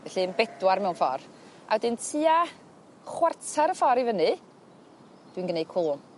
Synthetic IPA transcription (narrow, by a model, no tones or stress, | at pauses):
vɛɬinbɛdwarmɛwnfɔ̰r | a̰wədɪntʰiːa | χwartʰaɾəfɔɾivənɨ | d̥winɡənej̚kʰuːm